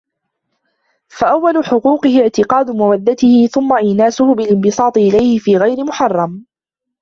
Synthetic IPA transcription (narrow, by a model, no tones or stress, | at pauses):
faʔawːalʊħʊquːqɪhɪʕt̪ɪqɑːd̪ʊmawad̪ːat̪ɪhɪθʊmːaʔiːnaːsʊhʊbɪlɪnbɨsɑːt̪ˤɨʔɪlajhɪfiːɣajɾɪmʊħɑrˤːɑm